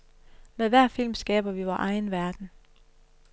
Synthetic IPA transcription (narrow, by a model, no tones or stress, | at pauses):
meðˠʋæɐ̰fil̰msɡ̥ɛ̰ːb̥ɐʋiʋɒʔɑ̈ɪnʋæɐd̥n̩